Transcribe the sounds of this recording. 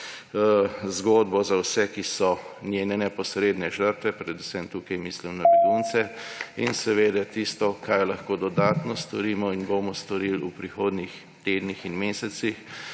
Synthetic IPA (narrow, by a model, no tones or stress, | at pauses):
zɡoːd̪bɔzawsɛkisɔnʲjeːnɛnɛpɔsɾeːd̪nɛʒəɾt̪ʋɛpɾɛd̪usɛmt̪uːkɐjmiːslimnabɛɡunt̪sɛinsɛʋeːd̪at̪ist̪ɔkajlɐxkoːd̪ɔd̪aːt̪nɔst̪ɔɾiːmɔinbomɔst̪ɔɾilupɾixoːd̪nix | t̪eːd̪nixinmeːsɛt̪six